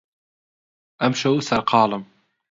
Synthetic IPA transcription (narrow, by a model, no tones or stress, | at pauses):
ʔamʃawsɐɾqɑːlɨm